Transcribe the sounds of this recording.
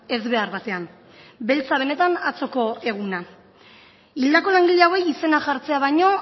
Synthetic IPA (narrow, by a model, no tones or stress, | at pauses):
e̞zβe̞aɾβat̪e̞an | be̞lt͡saβ̞e̞ne̞t̪anat͡so̞ko̞e̞ɣ̞una | ild̪ako̞laŋɡiʎeawejise̞naʝaɾt͡se̞aβ̞ajɲo̞